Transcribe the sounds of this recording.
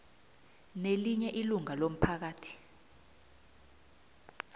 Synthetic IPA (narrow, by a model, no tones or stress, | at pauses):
neliɲɛʔiluŋalom̩pʰak̬aːtʰi̥